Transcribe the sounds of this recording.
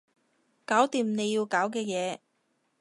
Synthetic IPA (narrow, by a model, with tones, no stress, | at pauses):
kaː˨˥wt̪iː˨˧mne˨˧jji˧wkaː˨˥wkɛː˧jɛː˨˧